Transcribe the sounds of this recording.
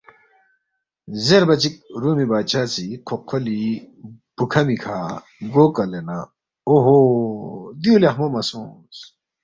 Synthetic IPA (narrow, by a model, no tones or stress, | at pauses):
zeɾbɐt͡ɕik̚ɾuːmibaːt͡ɕʰaːt͡siqʰoqʰːoli | b̥ukʰɐmikʰaː | ɡoːkɐlena | oɦo | d̪iulɐɦmomɐsũː | s